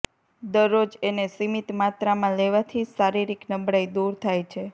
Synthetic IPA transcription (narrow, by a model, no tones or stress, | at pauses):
d̪əɾːod͡ʒenesimit̪mat̪ɾamãleʋat̪ʰisaɾiɾiknəbɽajd̪uɾt̪ʰajt͡ʃʰe